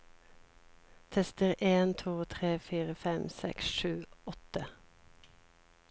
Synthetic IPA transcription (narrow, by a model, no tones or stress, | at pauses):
t̪ʰɛst̪əʁʔeːnt̪ʰuːt̪ʰʁeːfyːʁəfɛmsɛ̰ksʃʉːɔt̪ə